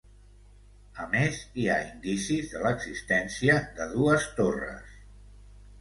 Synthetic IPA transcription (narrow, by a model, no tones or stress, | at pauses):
əmeziaind̪isizðələɡzist̪ɛnsiəðəðuəst̪orə̰s